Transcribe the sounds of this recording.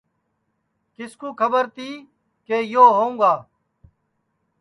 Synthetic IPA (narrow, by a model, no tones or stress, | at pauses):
kɪskuːkʰəbəɾt̪iː | keːjoːɦoːũːɡaː